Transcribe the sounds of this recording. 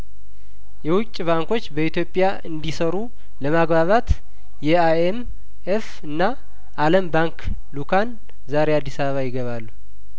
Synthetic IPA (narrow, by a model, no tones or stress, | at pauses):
jɛwʊt͡ʃʼːβaŋko̞t͡ʃːbəit̪ʰjo̞pʼːja | ɨnd̪isəɾu | ləmaɡbaβat̪ | jɛaem | ef | ɨnːaː | ləmbaŋk | lukʰan | zaɾead̪ːisaβəβajɪɡəβalːu